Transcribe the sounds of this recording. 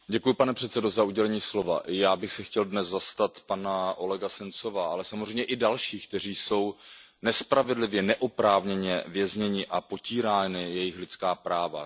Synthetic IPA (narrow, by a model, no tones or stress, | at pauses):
ɟɛkujɪpanɛpr̝̥ɛt̪sɛdo̞zauɟɛlɛɲiːslo̞va̰ʔɪjaːbɪxsɛxcɛldnɛzzast̪at̪panaʔo̞lɛɡasɛnt͡so̞vaːʔalɛsamozrɛjmɲɛʔɪdalʃiːk̚t̪ɛr̝iːso̞w | nɛspɾavɛdlɪvjɛnɛʔopɾaːvɲɛɲɛvjɛzɲɛɲɪʔapo̞ciːɾaːnɪjɛjɪxlɪt͡skaːpɾaːva̰